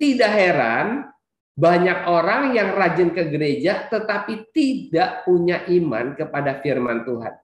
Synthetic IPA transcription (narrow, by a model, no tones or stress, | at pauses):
t̪idaʔɦeɾa̰n | baɲak̚oɾaŋjaŋrad͡ʒɪnkəɡəɾed͡ʒat̪ət̪apit̪idaʔpuɲaʔima̰nkəpadafirmant̪uɦa̰n